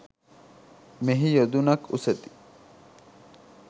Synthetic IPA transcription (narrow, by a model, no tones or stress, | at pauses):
meɦijod̪unɐkuset̪i̥